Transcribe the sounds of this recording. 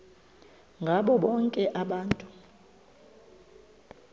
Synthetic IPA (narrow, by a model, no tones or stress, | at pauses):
ŋɡʱaɓɔɓɔŋkʼɛʔaɓaːntʼu